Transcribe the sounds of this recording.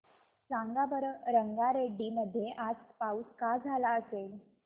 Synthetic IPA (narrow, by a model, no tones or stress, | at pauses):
t͡sãŋɡabəɾɾəŋɡaɾeɖiːməd̪ʱjeʔad͡zpauskad͡zʱalaəsel